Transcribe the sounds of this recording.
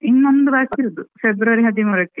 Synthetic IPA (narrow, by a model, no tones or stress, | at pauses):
inːond̪ɨbaːkːiɾud̪ufebɾuʋɐɾiɦɐd̪imurɐkːi